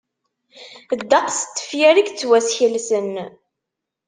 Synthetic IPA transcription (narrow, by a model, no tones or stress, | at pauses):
d̪ːɑqst̪ːə̥fjɪɾikt͡sːwæsçəlsən